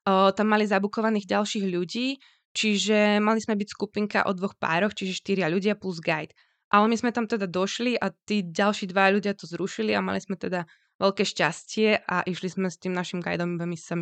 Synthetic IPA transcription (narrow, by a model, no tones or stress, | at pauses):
t̪amːalizabukɔʋaniːɣɟalʃiːɣʎuɟiː | t͡ʃiʒɛmalizmɛbicskupiŋka̰ʔɔd̪ʋɔxpa̰ːɾɔxt͡ʃiʒɛʃt̪iɾɪaʎuɟɪapluzɡajt̪ | ʔalɛmizmɛt̪amt̪ɛd̪ad̪ɔʃliʔat̪iːɟalʃiːd̪ʋajaʎuɟɪat̪ɔzɾuʃilia̰ma̰lizmɛt̪ɛd̪a | ʋɛʎkɛːʃcascɪɛʔaʔiʃlizmɛst̪iːmnaʃimɡa̰jd̪ɔmʋɛmisami